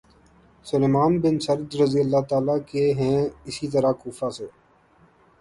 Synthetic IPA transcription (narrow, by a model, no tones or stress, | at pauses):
sʊleːmaːnbɪnsəɾd̪ɾəzijəlːaːt̪aːlaːkeɦɛ̃ːɪsiːt̪əɾakuːfaːseː